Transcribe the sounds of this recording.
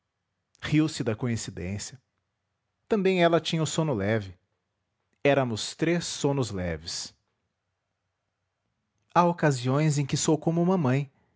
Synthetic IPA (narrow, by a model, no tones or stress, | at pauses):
hiwsɪd̪ɐkõĩsid̪ḛ̃sjɐ | t̪ɐ̃mbẽj̃ɛlɐt͡ʃĩɲɐʊsõnʊlɛvɪ | ɛɾɐmʊst̪ɾesːõnʊzlɛ̰vɪs | aokaziõj̃zẽj̃kɪsowkõmʊũmɐmɐ̃j̃